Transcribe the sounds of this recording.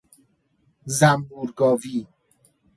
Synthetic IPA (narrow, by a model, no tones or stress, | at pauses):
zæmbuːɾɡɒːviː